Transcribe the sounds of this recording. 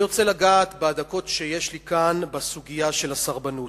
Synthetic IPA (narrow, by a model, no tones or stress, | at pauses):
ʁot͡se̞laɡaːt̪bead̪ako̞t̪ʃejeʃlikanbasuɡijaʃe̞lasaʁbanu